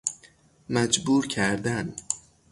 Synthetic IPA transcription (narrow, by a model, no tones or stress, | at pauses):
mæd͡ʒbuːɾcʰæɾd̪æn